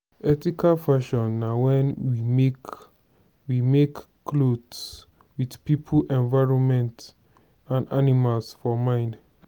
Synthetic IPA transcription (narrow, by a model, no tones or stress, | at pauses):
ɛtikʰalfaʃɔ̃nːawɛ̃nwimek | wimekː | lods | widpipʰulʔɛ̃nvaɪɹɔ̃nmɛ̃nt | ãnanimalsfɔmãɪ̃nd